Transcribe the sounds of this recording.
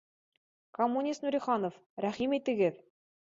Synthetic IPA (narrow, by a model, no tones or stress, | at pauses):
komːunʲist̪nuɾʲiχɑnof | ɾæχimit̪ɘ̆ɡɘð